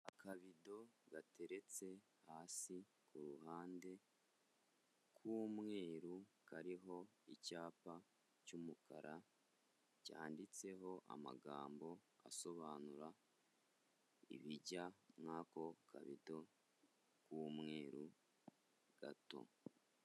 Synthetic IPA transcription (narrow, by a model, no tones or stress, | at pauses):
akaβido̞ɡate̞ɾe̞t͡se̞ | haːsi | kʰuɾuhaːnde̞ | kʰumŋe̞ːɾukaɾiɦo̞icaːpa | cumukaɾa | ca̰ːndit͡se̞ɦo̞ʔa̰ma̰ɡa̰ːmbo̞a̰so̞βaːnuɾa | ḭβiɟamŋaːko̞kʰa̰βḭdo̞ | kumŋe̞ːɾṵ | ɡ̥a̰to̞̰